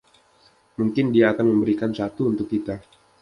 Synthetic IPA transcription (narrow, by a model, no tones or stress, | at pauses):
muŋkɪndiaːkanməmbəɾikansat̪uːnt̪ʊk̚ːit̪a